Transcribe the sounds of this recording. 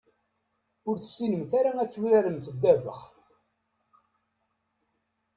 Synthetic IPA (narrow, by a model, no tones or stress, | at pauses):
ʊɾθəsːinəmθaɾaæt͡sːuɾæɾəmθəd̪ːævə̰χ